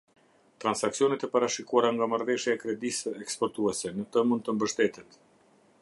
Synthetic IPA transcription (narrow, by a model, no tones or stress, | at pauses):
t̪ɾansaksijɔnɛt̪ɛpaɾaʃikuaɾaŋɡamaɾvɛʃjaɛkɾɛd̪isəɛkspɔɾt̪uɛsɛnət̪əmund̪̚t̪əmbəʃt̪ɛt̪ɛt̪